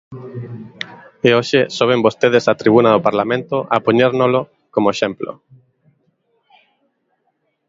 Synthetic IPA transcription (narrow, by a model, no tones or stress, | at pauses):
eoʃesoβ̞embost̪eð̞esat̪ɾiβ̞unaðopaɾlamẽnt̪oʔapoɲeɾnolo | komoeʃemplo̰